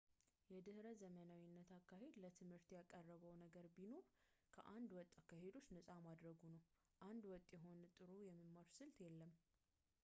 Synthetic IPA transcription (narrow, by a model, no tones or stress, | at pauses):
jɛd̪ɨhɾəzəmənawinːət̪ʰakːahe̞d̪lət̪ʰɨmhɨɾt̪jakʼərːəβəwnəɡəɾbino̞ɾkʰə̰ʔand̪wɔt̪ʼːakːahe̞d̪o̞t͡ʃːnəsʼamad̪ɾəɡunəw | ʔand̪wɔt̪ʼjɛɦo̞nt̪ʼɨɾujɛmːimːaɾsɨlt̪jɛlːəm